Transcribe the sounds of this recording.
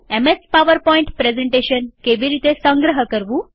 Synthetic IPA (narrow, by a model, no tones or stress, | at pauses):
emespaʋəɾpɔiɳʈpɾezeɳʈeɕənkeʋiːɾit̪esə̃ŋɡɾəɦəkəɾʋuː